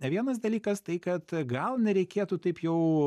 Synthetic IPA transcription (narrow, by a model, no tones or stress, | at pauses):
nʲɛʋʲiɛnɐs̬d̪ɐlʲiːkɐst̪ɐɪkɐt̪ɡɐlˠnʲɛɾʲɛɪkʲeːt̪uːt̪ɐɪpjɛʊ